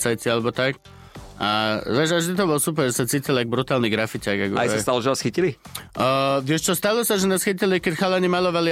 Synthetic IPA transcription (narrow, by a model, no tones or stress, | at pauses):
t͡sajt͡sialɛbɔt̪ak | ʔa̰ʋɛːʒaʒd̪it̪̬ɔbɔlɔsup̬ɛɾʒɛsat͡siːcilaɡ̚bɾut̪aːlniɡɾafitaɡaɡajsast̪alɔʒɛnɛsxicili | ʋɪɛʃt͡ʃɔst̪alɔsaʒɛnɛsxicilikɛcxalɛɲimalɔʋali